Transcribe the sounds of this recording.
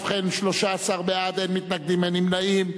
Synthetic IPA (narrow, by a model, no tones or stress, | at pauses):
fχenʃlo̞ʃaːsaʁbead̪emːit̪naɡ̚d̪imenimnaim